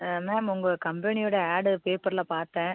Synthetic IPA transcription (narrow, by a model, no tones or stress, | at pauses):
mɛːmʊŋɡɐkɐmbɛnɪjɔːɽɐaːɽpeːpɐɾlapaːɾt̪ɛ̃ː